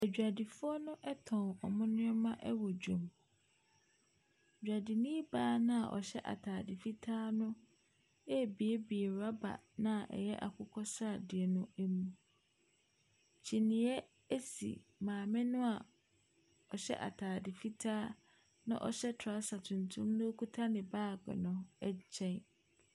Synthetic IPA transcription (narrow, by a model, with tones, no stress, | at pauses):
æ˨d͡ʑᶣa˨di˨fʊ˦ɔ˦nʊ̃˦ʔɛ˦tʰɔ̃˨ɔ˨mʊ̃˦nʊ̃˦ɛ˦mã˦ʔɛ˦wɔ˨d͡ʑᶣõ˨m˨ | d͡ʑᶣa˨di˨nĩ˦baː˦nã˦a˨ʔɔ̰˨ɕɛ˦ʔa̰˨tʰaː˨dɪ˨fi˦tʰaː˦nʊ̃˦ | ɛ˦˨bi˨e˦bi˨e˨ɾa˦ba̰˨nã˦˨ʔɛ̰˨jɛ˦ʔa̰˨kʰʊ˦kʰɔ˦sa˦˨dɪ˨ɛ˨nʊ̃˦æ˦mũ˦ | t͡ɕʰi˨nĩ˨˦ɛ˦ | e˦sḭ˨mãː˨mɪ̃˦nʊ̃˦a˨ | ɔ˨ɕɛ̰˦ʔa̰˨tʰaː˨dɪ˨fi˦tʰaː˦ | nã̰˦ʔɔ˨ɕɛ˦tʰa˦sa˨tʰũ˨ntʰũ˦mnʊ̃˦o˦kʰu˦tʰa˦nɪ̃˨baː˦˨ɡɛ̰˨nʊ̃˨ɛ˦t͡ɕʰɛ̃˦n